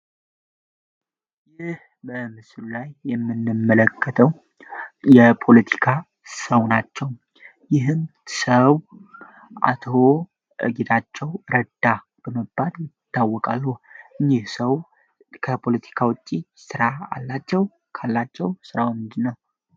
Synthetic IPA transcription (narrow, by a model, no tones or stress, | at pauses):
jɪh | bəmɨslulajːɛmːɨnːɨmːələkʰːət̪ʰəw | jɛpʰo̞lət̪ʰi̥kʰa | səwnat͡ʃːɛw | jɪɦɨmsəw | ʔa̰t̪ʰo̞ | ʔɨ̰ɡet̪ʰat͡ʃːɛwɾəd̪̥a | b̥əməbːaljɪt̪ːawːɔkʼa̰lːuʔɨɲːɪhsəw | kʰəpʰo̞lət̪ʰi̥kʰawʊt͡ʃʼːisɨɾaa̰lːat͡ʃːɛw | kʰalːat͡ʃːɛwsɨɾawmɨnd̪ɨnːəw